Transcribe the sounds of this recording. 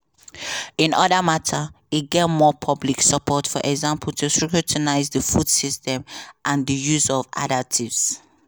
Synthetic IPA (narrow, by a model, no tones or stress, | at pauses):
ĩnɔdəmatʰə | it̚ɡɛtmɔpʰɔbliksəpʰɔtfɔʔɛɡzãmpʰl̩tʰustɹukjutʰənaɪzdəfudsistɛ̃mʔãndəjuzɔva̰datʰivs